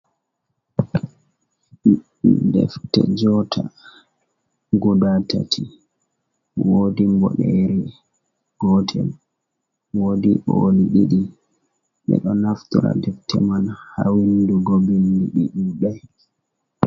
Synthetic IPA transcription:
dɛ̰ftɛd͡ʒɔtʰa | ɡɔdatatʰi | wodimbɔɗɛɾɛ | ɡ̥ɔtʰɛm | wodiʔɔliɗiɗi | ɓɛ̰ɗɔnaftuɾa̰dɛftʰɛmanhawinduɡobinduɗiɗuɗɛ

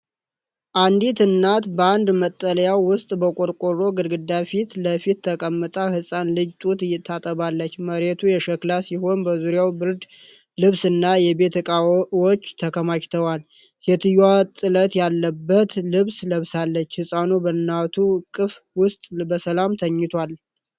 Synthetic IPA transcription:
ʔand̪it̪ʰɨnːat̪bəand̪mət̪ʼːələjawwʊst̪ʼbəkʼoɾkʼoɾo̞ɡɨɾɡɨd̪ːafit̪ləfit̪ːʰəkʼəmːɨt̪ʼahɨsʼanlɨd͡ʒt̪ʼut̪ɨjːɪt̪ʰːat̪ʼəβalːət͡ʃːməɾet̪ʰujɛʃəklasiho̞nbəzuɾjawbɨɾd̪ | lɨβsɨnːajɛbe̞t̪ʰəkʼawot͡ʃːt̪ʰəkʰəmat͡ʃt̪ʰəwal | sɛt̪ʰɨjwat̪ʼɨlət̪jalːəbːət̪lɨβsləβsalːət͡ʃːhɨsʼanubənːat̪ʰukʼɨf | wʊst̪ʼbəsəlamt̪ʰəɲːɪt̪ʰwal

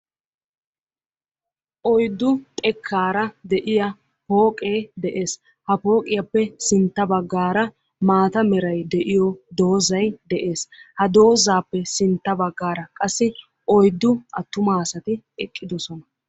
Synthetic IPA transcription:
ʔɔjd̪ːʊt̪ʼɛkʰːaːɾɐd̪ɛʔɪjɐ | po̞ːkʼeːd̪ɛʔe̞ːs | hɐpo̞ːkʼɪjɐpːɛsɪnt̪ːɐbɐɡːaːɾɐ | maːt̪ɐmɛɾɐjd̪ɛʔɪjɔd̪o̞ːzɐjd̪ɛʔe̞ːshɐd̪o̞ːzaːpːɛsɪnt̪ːɐbɐɡːaːɾɐkʼɐsːɪ | ʔɔjd̪ːʊʔɐt̪ːʊmaːsɐt̪ɪ | ɛkʼːɪd̪ɔsɔnɐ

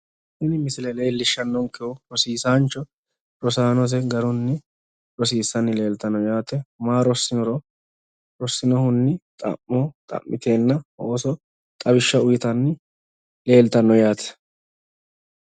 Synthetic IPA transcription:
hɪnɪmɪsɪlɛleːlːɪʃːɐnːɔŋkːɛʊɾɔsiːsaːnt͡ʃːɔ | ɾɔsaːnɔs̬ɛɡɐɾʊnːɪ | ɾɔsiːsːɐnːɪle̞ːlt̪ɐnːɔjaːt̪ɛmaːɾɔsːɪnɔɾɔ | ɾɔsːɪnɔhʊnːɪt̪ʼɐ̰ʔːɔt̪ʼɐ̰ʔːɪt̪e̞ːnːɐoːsɔ | t̪ʼɐbɪʃːɐʊjɪt̪ɐnːɪ | le̞ːlt̪ɐnːɔjaːt̪ʰɛ̥

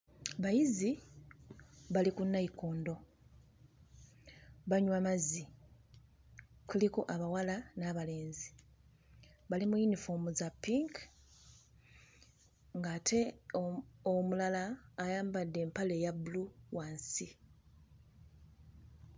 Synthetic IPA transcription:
βajizi | βalikunːaikuːndo̞ | βaɲwamazi | kʰulikoʔaβawalanaβale̞ːnzi | βalimujunifoːmuzapːiŋk | ŋɡaːtʰe̞ | omulalaːjaːmbadːe̞ːmpale̞jabuluwansi

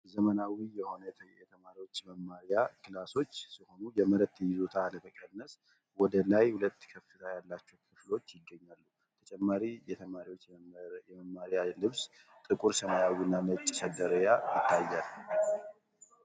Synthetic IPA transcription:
zəmənawijɛho̞nəjɛt̪ʰəmaɾiwo̞t͡ʃːməmːaɾijakʰɨlaso̞t͡ʃːsiho̞nujɛməɾət̪ːjɪzot̪ʰaləməkʼənːəs | wɔd̪əlajhulət̪ːkʰəfːɨt̪ʰajalːat͡ʃːɛwkʰɨflo̞t͡ʃːjɪɡːəɲːalːu | t̪ʰət͡ʃʼɛmːaɾijɛt̪ʰəmaɾiwot͡ʃːjɛməmːaɾijalɨβs | t̪ʼɨkʼuɾsəmajawinːamət͡ʃʼːsəd̪əɾəjajɪt̪ːajːal

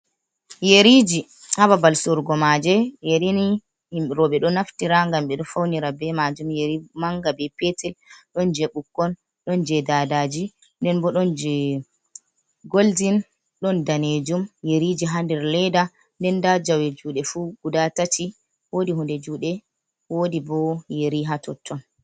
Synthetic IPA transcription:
jeɾid͡ʒi | hababalsɔɾɡɔmad͡ʒɛjeɾini | ɾɔɓɛɗɔnaftiɾaŋɡamɓɛɗɔfawniɾabɛmad͡ʒumjeɾimaŋɡabɛpɛtɛlɗɔnd͡ʒɛɓukːɔn | ɗɔnd͡ʒɛdadad͡ʒi | ndɛnbɔɗɔnd͡ʒɛ | ɡoldin | ɗɔndaned͡ʒumjeɾid͡ʒiɦandɛɾlɛda | ndɛndad͡ʒawɛd͡ʒuːɗɛfuɡudatatʰi | wodiɦundɛd͡ʒuːɗɛ | wodibɔjeɾiɦatɔtʰːɔn

